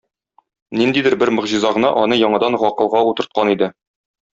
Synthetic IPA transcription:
nind̪id̪ɘɾbɘɾmɤ̆ʁʑizɑʁɤ̆nɑ̰ʔɒnɤjɒɴɑd̪ɑnʁɒqɤ̆lˠʁɑut̪ɤ̆ɾt̪̚qɑnid̪ɘ

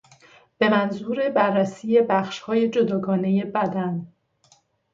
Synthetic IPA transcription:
b̥e̞mænzuːɾe̞bærːæsiːje̞bæxʃhɒːje̞d͡ʒo̞d̪ɒːɡɒːne̞je̞bæd̪æn

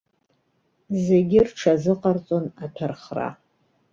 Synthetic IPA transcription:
ze̞ɡʲɪrʈ͡ʂʰazɨqʼart͡sʼonatʰarχra̰

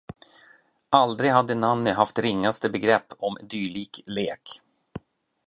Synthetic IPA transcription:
ʔald̪ɾɪɡhad̪ːənamnəɦaft̪ɾɪŋːast̪əbɛɡɾɛpːɔmd̪yːɭiːkleːk

